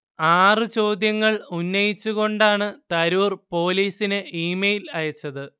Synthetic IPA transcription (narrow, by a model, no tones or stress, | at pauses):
aːrɨt͡ɕo̞ːd̪jɐŋːɐɭunːɐjit͡ɕːuɣo̞ɳɖaːɳɨt̪ɐɾuːrpo̞ːliːsinɨiːmejilɐjɐt͡ɕːɐðɨ